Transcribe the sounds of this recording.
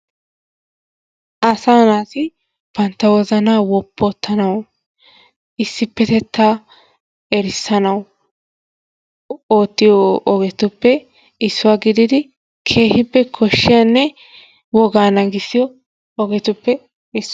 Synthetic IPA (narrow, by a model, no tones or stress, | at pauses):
ʔɐsaːnaːsɪ | b̥ɐnt̪ːɐwɔzɐnaːwɔpːɔt̪ːɐnɐw | ɪsːɪpːɛt̪ɛt̪ːaː | ɛɾɪsːɐnɐw | oːt̪ːɪjɔʔɔɡɛt̪ʊpːɛ | ɪsːʊwaːɡɪd̪ɪd̪ɪ | kʰe̞ːhɪpːɛkʰɔʃːɪjanːɛ | wɔɡaːnɐɡɪsːɪjɔ | ɔɡɛt̪ʊpːɛ | ɪs